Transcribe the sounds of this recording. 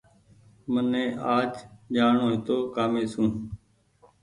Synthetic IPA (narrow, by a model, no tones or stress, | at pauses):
mənẽːʔaːd͡ʒd͡ʒaːɳoːɦɪt̪oːkaːmeːsũː